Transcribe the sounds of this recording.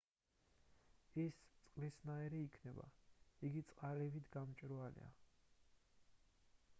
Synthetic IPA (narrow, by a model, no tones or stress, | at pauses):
ist̪sʼqʼlisnaɛɾiːkʰnɛba̰iɡit̪sʼqʼalɛvit̪ʰɡamt͡ʃʼɾɔalḭa̰